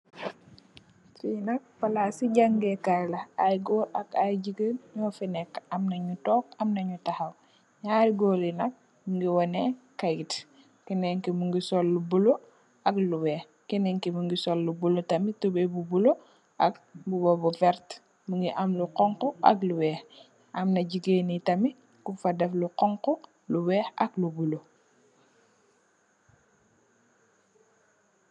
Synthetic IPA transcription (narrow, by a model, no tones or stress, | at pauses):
tinɐk̚fɐlasiɟaŋɡɛkajlɐajɡɔːɾɐkajɟiɡəɲɔfɛnɛkɐmnɐɲutɔːk̚ɐmnɐɲutɐhɐw | ɲaɡɔːlinɐk̚ | muŋɡiwɔnɛkaɡit | kɛnɛŋkimuŋɡisɔlːubulo | ɐkluwɛ | kɛnɛŋkimuŋɡisɔlːubulotɐmitubebubulo | ʔɐk̚bubɔbɔfɛɾt | muŋɡiʔamluqɔŋqɔʔɐ̰kluwɛːx | ɐmnɐɟiɡeːnitɐmi | kufadɛfluqɔŋqɔ | luwɛːxɐklubulo